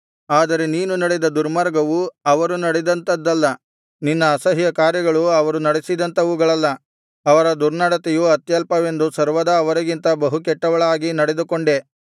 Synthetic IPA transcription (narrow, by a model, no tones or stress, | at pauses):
aːd̪ɐɾe̞niːnunɐɽed̪ɐd̪uɾmɐɾɡɐʋuɐʋɐɾunɐɽed̪ɐnt̪ɐd̪ːɐlːɐ | ninːɐːsɐɦijɐkaːɾjɐɡɐɭuɐʋɐɾunɐɽesid̪ɐnt̪ɐʋuːɡɐɭɐlːɐː | ʋɐɾɐd̪uɾnɐɽɐt̪ɛjuɐt̪jɐlpɐʋe̞nd̪usɐɾʋɐd̪ɐːʋɐɾɐɡint̪ɐbɐɦukɛʈːɐʋɐɭaːɡinɐɽe̞d̪ukoɳɖe̞